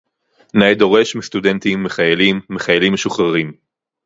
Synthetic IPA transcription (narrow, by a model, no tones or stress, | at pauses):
naed̪o̞ʁe̞ʃmist̪ud̪ent̪imːeχajelimːe̞χajelimːeʃuχʁaʁim